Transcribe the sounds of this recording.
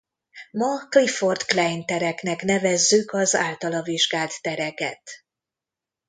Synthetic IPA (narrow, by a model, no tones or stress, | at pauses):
mɒklifort̪klɛjnt̪ɛɾɛknɛknɛvɛzːykɒza̰ːlt̪ɒlɒviʒɡaːlt̪ːɛɾɛkɛ̰t̪